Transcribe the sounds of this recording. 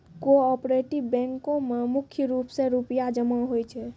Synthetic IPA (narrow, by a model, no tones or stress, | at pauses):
koɔpɾeʈibbɛ̃ŋkõmemukʰjəɾupsẽɾupjad͡ʒəmaɦojt͡ʃʰɛ